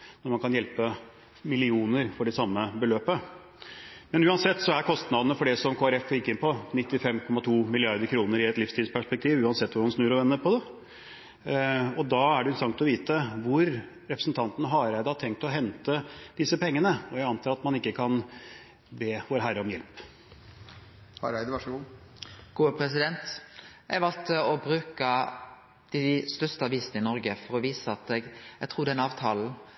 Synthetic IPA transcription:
nɔɾmɑnkʰɑnjɛlpə | mɪlɪuːnəɾfɔɖɛsɑmːəbəløːpə | mɛnʉːɑnsɛt̪ːsɔæɾkʰɔst̪nɑd̪nəfɔɖɛsɔmkʰoːæɾɛflɪkːɪnpɔnɪt̪ːɪfɛmkʰɔmːɑt̪ʰuːmɪlɪɑɾd̪əɾkʰɾuːnəɾɪɛt̪lɪfst̪ilspʰæʂpɛk̚t̪ʰiːʋʉːɑnsɛt̪ːʋʊɾmɑnsnʉːɾɔʋɛnːəɾpʰɔd̪ɛ | ɔd̪ɑæɖɛɪnsɑŋt̪ɔʋiːt̪əʋʊɾ | ɾɛpɾə̥sn̩t̪ʰɑnt̪nəɦɑɾæɪd̪əhɑt̪ʰɛŋkt̪ɔɦɛnt̪əd̪̥ɪsəpɛŋːənəɔjæɪɑnt̪ʰɑːɾɑt̪mɑnɪkːəkʰɑn | beːʋoːɾɦæɾəɔmjɛlp | hɑɾæɪd̪əʋɑʂɡuːɡ̥uːəpʰɾɛsɪd̪ɛnt̪jæɡʋɑlt̪əɔbɾʉːkə | d̪̥ɪst̪œst̪əɑʋiːsənəɪnɔɾɡəfɔɾɔʋiːsəɑt̪d̪ɛɡɛɡt̪ʰɾuːd̪ɛnɑːʋt̪ʰɑːln̩

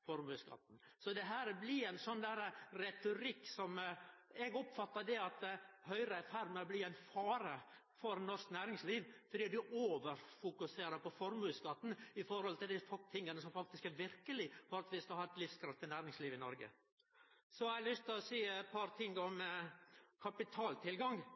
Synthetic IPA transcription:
fɔɾmʉːskɑ̰t̪ːn̩sɔd̪ɛɦæːɾəblɪæɪnsɔnd̪æːɾəɾɛt̪ʊɾɪkːsɔmɛɡɔpfɑt̪ːəd̪ɛɑt̪hœʏɾəɛfæɾməɾbliæɪnfɑːɾə | fɔɾnɔɾsknæːɾɪŋsliːʋfɔd̪iːd̪ʉʔoːʋəɾfʊkʉseːɾəpɔfɔɾmʉːskɑt̪ːn̩ɪfɔɾhɔlt̪ɪld̪ɪfɔt̪ʰɪŋːənəsɔmfɑk̚t̪ɪskæɾʋɪɾkəlɪfɔɾɑt̪ʋɪskɑhɑːɛt̪lɪfskʰɾɑft̪ʰɪnæːɾɪŋsliːʋɪnɔɾɡə̰ | sɔælʏst̪ɪɔsiːɛt̪pʰɑɾt̪ʰɪŋːɔm | kʰɑpɪt̪ʰɑːlt̪ʰɪlɡɑŋ

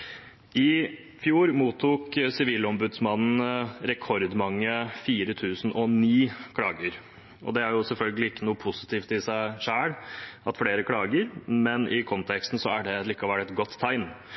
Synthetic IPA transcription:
ɪ | fjuːɾmuːt̪ʰːuːksɪʋiːlɔmbʉd̪smɑnn̩ɾɛkʰɔɾd̪mɑŋːəfiːɾət̪ʰʉːsn̩ɔniːkʰɽɑːɡəɾ | ɔ̰d̪ɛæɾjʊsɛlfœlɡəlɪɪkːənuːəpʰʊsɪ̥t̪ʰiːft̪ɪsæɪʂæːɽɑt̪fɽeːɾəkʰɽɑːɡəɾmɛnʔɪkʰɔnt̪ʰɛkst̪n̩sɔæɖɛlɪːkːɑʋæʈɛt̪ɡɔt̪ʰːæɪn

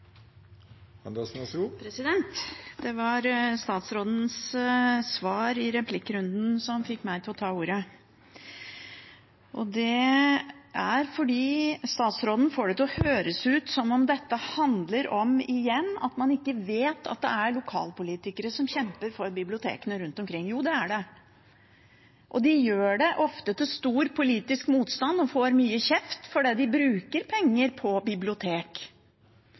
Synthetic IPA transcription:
ɑnd̪ɑsnɑsupʰɾɛsɪd̪ɛnt̪d̪ɛʋɑɾst̪ɑːt̪sɾoːd̪n̩s | sʋɑːɾɪɾɛpʰlɪkːɾʉnd̪n̩sɔmfɪkːmæɪt̪ʰɪlɔt̪ʰɑːuːɾə | ʔɔd̪ɛ | æɾfɔɖiːst̪ɑːt̪sɾoːd̪n̩foːɖɛt̪ʰlɔhøːɾəsʉːt̪sɔmɔmd̪ɛt̪ːəhɑnd̪ləɾɔmɪjɛnːɑ̰t̪mɑnɪkːəʋeːt̪ʰɑ̰t̪̚d̪ɛ̰æɾɭʊkʰɑ̰ːlpʊliːt̪ɪkəɾəsɔmɕçɛmpəɾfɔɾbɪblɪʊt̪ʰḛːkənəɾʉnt̪ɔmkʰɾɪŋːjuːd̪ɛæɖɛ | ʔɔd̪ɪjøːɖɛʔɔft̪ət̪ʰɪlst̪uːɾpʰʊliːt̪ɪskmuːt̪st̪ɑnd̪ɔfoːɾmyːəçɛft̪fɔɖɛːd̪ɪbɾʉːkəɾpʰɛŋːəɾpʰɔbɪblɪʊt̪ʰeːk

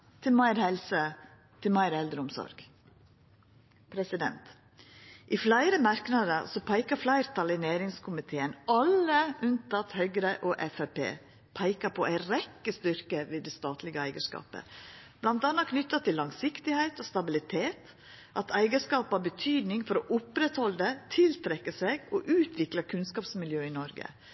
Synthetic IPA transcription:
t̪ʰɪlmæɪɾhɛlsə | t̪ʰɪmæɪɾɛld̪ɾəʊmsɔ̰ɾɡ̥ | pʰɾɛsɪd̪ɛ̰nt̪ | ʔɪflæɪɾəmɑɾknɑd̪əɾsɔpʰæɪkɑflæɪɾt̪ʰɑlɪnæːɾɪŋskʰʊmɪt̪ʰeːənɑlːəʔʉnt̪ʰɑt̪hœʏɡɾəʔɔʔɛfæpḛː | pʰæɪkɑpʰɔʔæɪɾɛkːəst̪ʏɾkəʋiːd̪ɛst̪ɑːt̪ʰlɪɡəæɪɡəʂkɑ̰ːpə̰b̥lɑnt̪ɑːnɑkʰnʏt̪ːɑt̪ʰɪlːɑŋsɪkt̪ɪhæɪt̪ɔst̪ɑbɪlɪt̪ʰeːt̪ | ʔɑt̪æɪɡəʂkɑːpɑbət̪ʰyːd̪nɪŋfɔɾɔʔʊpɾɛt̪hɔld̪ət̪ʰɪlt̪ʰɾɛkːəseɡɔʔʉːt̪ʰʋɪklɑkʰʉnskɑːpsmɪljøːɪnɔɾɡə̰

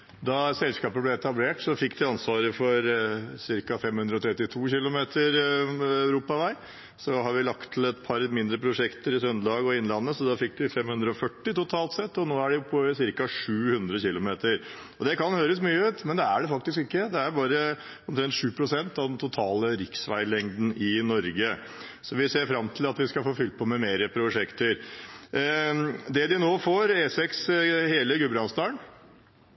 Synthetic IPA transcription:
d̪ɑsɛlskɑːpəblɛɛt̪ɑbleːʈsɔfɪkːd̪ɪɑnsʋɑːɾəfɔɾsɪɾkɑfɛmhʉnd̪ɾəɔt̪ʰɾɛt̪ːɪt̪ʰuːçɪlʊmeːt̪ʰəɾæʉɾuːpɑʋæɪ | sɔɦhɑɾʋɪlɑkt̪ʰːɪlɛt̪pʰɑɾmɪnd̪ɾəpʰɾʊʂɛkt̪əɾɪsœnd̪ɑːɡɔɪnːəlɑnːəsɔd̪ɑfɪk̚ːd̪ɪfɛmhʉnd̪ɾəɔfœʈːɪt̪ʊt̪ʰɑːlt̪sɛt̪ːɔnoːæɖɛʊpʰːɔsɪɾkɑʂʉːhʉnd̪ɾəçɪlʊmeːt̪əɾ | ɔd̪ɛkɑnhøːɾəsmyːəʉːt̪mɛnd̪ɛæɖɛfɑk̚t̪ɪskɪkːəd̪ɛæɾbɑːɾə | ɔmt̪ʰɾɛnt̪ʂʉːpʰɾʊsɛnt̪ɑʋd̪ɛnt̪ʰʊt̪ʰɑːləɾɪksʋæ̰ɪlɛŋd̪n̩ɪnɔɾɡə | sɔʋɪseːɾfɾɑmt̪ʰɪlɑt̪ʋɪskɑfoːfʏlt̪̚pʰɔmɛmeːɾəpʰɾʊʂɛkt̪əɾ | d̪ɛd̪ɪnoːfoːɾeːsɛksheːləɡʉbɾɑnsd̪ɑːəɳ

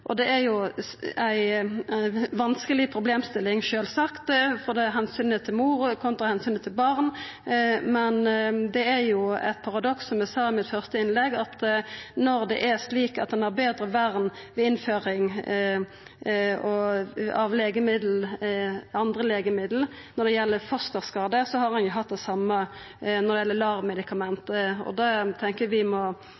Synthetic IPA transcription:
ʔɔd̪ɛæɾjʊæɪ | ʋɑnskəlɪpʰɾʊbleːmst̪ɪlːɪŋʃøːlsɑkt̪fɔd̪ɛɦɛnsyːnət̪ʰːɪlmuːɾkʰɔnt̪ʁɑhɛnsyːnət̪ʰːɪlbɑʁn | mɛnd̪ɛæɾjʊæ̰ɪt̪̚pʰɑʁɑd̪ɔksɔmɛsɑːɪmɪt̪fœʁst̪əɪnlɛɡɑt̪nɔɾd̪ɛ̰ʔæsliːkɑt̪̚d̪ɛnhɑɾbeːd̪ɾəʋæʁnʋɛɪnføːɾɪŋ | ɔɑʋleːɡəmɪd̪l̩ | ɑnd̪ʁəleːɡəmɪd̪l̩ | nɔɾd̪ɛjɛlːəfɔst̪əʁskɑːd̪əsɔhɑʁɑnjʊɦɑt̪̚d̪ɛsɑmːə | nɔʁd̪ɛjɛlːəlɑɾmɛd̪ɪkʰɑmɛnt̪əɔ̰d̪ɑt̪ʰɛŋkəʋɪmɔ

